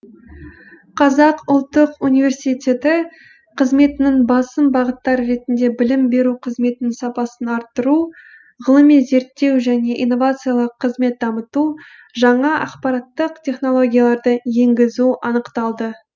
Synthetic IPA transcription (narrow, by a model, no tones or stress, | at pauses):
qʰɑzɑqʊlˠt̪ːəqunijvʲe̞ɾsijt̪ʲe̞t̪ɪ | qʰəzme̞t̪ɪnɪŋbɑsəmbɑʁət̪ːɑɾɾe̞t̪ɪnd̪e̞bɪlɪmbe̞ɾuqʰəzme̞t̪ɪnɪŋsɑpɑsənɑɾt̪ːəɾu | ʁəlˠəmːize̞ɾt̪ːe̞wʒæne̞ʔḭjnːo̞vat̪sɨjalˠəqʰːəzme̞t̪̚d̪ɑmət̪u | ʒɑɴɑʔɑ̰qpɑɾɑt̪ːəqtʲʰe̞χno̞lˠo̞ɡʲijalˠɑɾd̪əje̞ŋɡʲɪzuɑnəqt̪ɑlˠd̪ə